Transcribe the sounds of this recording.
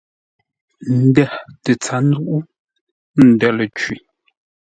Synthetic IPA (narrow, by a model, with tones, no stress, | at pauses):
n̩˨dɛ˦˨tə˨t͡sa˨˦nu˦ʔu˦ | n̩˨dɛ˦˨lə˨t͡ʃwi˨